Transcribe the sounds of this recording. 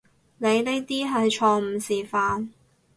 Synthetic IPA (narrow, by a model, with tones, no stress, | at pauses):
ne˨˧jne˥jt̪iː˥ɦɐ˨jt͡ʃʰɔː˧m̩˨˩siː˨faː˧n